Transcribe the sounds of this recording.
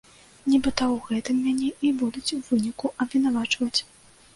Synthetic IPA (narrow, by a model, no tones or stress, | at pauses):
nʲɛbɨt̪awɣɛt̪ɨmːʲanʲɛʔibud̪ut͡sʲwvɨnʲikuʔɐbvʲinavat͡ʂvɐt͡sʲ